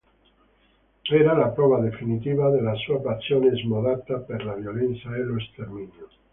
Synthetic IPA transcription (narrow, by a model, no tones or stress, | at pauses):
eɾalapɾoβaðe̞finit̪iβaðelasuapasjonezmoðat̪apeɾlaβjolen̟θjaeloest̪eɾmĩnjo